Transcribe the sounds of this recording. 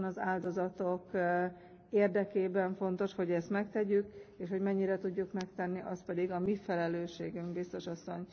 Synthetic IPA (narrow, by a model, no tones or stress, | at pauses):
nɒzaːld̪o̞zɒt̪ok | eːrd̪ɛkeːbɛɱfo̞nt̪o̞ʃho̞ɟɛst̪mɛkt̪ɛɟykeːʃho̞ɟmɛɲːiɾɛt̪uɟːukmɛkt̪ɛnːiʔɒspɛd̪iɡɒmifɛlɛløːʃeːɡyŋkbist̪o̞ʃɒsːo̞ɲ